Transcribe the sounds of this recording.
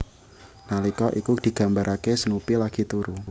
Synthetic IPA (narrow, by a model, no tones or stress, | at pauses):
nalikɔʔikud̪̥i̤ɡ̥a̤mbaɾʔakesənupilaɡ̥it̪uɾu